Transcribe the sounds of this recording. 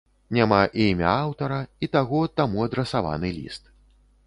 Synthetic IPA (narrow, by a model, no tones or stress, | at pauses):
nʲamaʔiimʲɐ̰awt̪ɐɾɐit̪aɣɔt̪amuɐd̪ɾɛsava̰nɨlʲḭst̪